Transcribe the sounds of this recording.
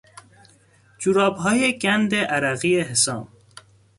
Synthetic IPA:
d͡ʒuɾɒːbɦɒːjeɡænd̪eʔæɾæɣieɦesɒːm

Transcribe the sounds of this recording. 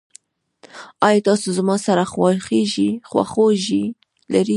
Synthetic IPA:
ɑjɑt̪ɑsozmɑsaɾaxwɑxeʒixwa̰xoʒi | laɾi

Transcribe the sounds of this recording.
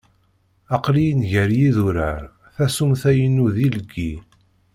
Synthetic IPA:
ɑqlijnʝəɾjiðuɾəɾ | θæsumθæjənːuðiləɡːi

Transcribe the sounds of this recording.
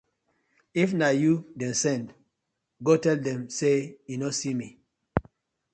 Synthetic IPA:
ifnajudɛ̃nsɛ̃nd | ɡotɛldɛ̃msejunosimi

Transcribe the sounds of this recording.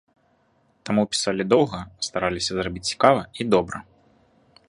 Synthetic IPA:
t̪amupʲi̥salʲid̪ɔwˠɣɐst̪aɾalʲisʲɐzrabʲit͡sʲt͡sʲi̥kavɐid̪ɔbɾɐ

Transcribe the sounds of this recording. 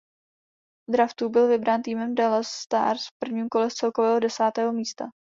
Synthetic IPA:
d̪ɾaft̪ubɪlvɪbɾaːnt̪iːmɛmdalasːt̪a̰ːɾsfpr̩vɲiːmko̞lɛst͡sɛlkovɛːɦo̞dɛsaːt̪ɛːɦomiːst̪a

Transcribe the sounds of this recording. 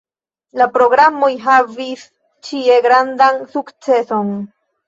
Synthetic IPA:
lapɾo̞ɡɾamojɦavis | t͡ʃie̞ɡɾand̪ansukt͡se̞so̞n

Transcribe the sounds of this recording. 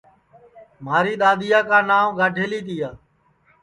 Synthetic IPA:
maːɾiːɗ̪aːd̪ɪjaːkãːnaːʋɡaːɖʱeːliːt̪̬iːaː

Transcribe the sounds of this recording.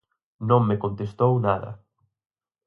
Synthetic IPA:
nõŋmekont̪est̪ownaðɐ̰

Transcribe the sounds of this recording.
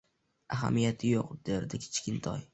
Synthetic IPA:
aɦa̰mijat̪ʰɪjoqd̪̥eɾd̪ɪkʲʰe̥t͡ʃkʲɪnt̪ʰɒ̰j

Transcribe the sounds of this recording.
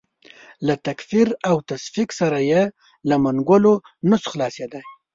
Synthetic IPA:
lat̪akfiɾawt̪asfiksaɾaje | lamanɡəlo | nʊsxlɑsed̪aj

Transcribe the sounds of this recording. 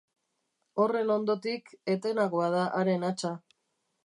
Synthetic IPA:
o̞re̞no̞nd̪o̞t̪ike̞t̪e̞naɣoaðaʔaɾe̞nat͡ʃa

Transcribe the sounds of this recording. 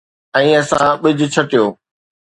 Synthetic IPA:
ɛ̃ːɐsã̰ɓɪd͡ʑʱʊ̆t͡ɕʰɐʈijoː

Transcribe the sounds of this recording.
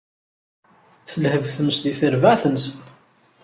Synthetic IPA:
θəlhəvθəməsd̪iθəɾvaʕθənsən

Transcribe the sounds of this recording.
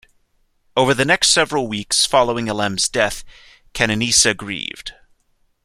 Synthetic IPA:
oʊvə˞ðɨnɛkstsɛvɹl̩ˠwiksfɑlˠoʊɪ̃ŋəlɛ̃mzdɛθ | kʰɛñɨnisɨɡɹḭvd̥

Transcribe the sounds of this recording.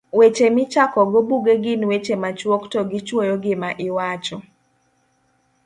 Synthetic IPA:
wet͡ʃemɪt͡ʃakɔɡobuɡeɡɪnwet͡ʃemat͡ʃwoktɔɡɪt͡ʃwojɔɡɪmaʔɪwat͡ʃɔ

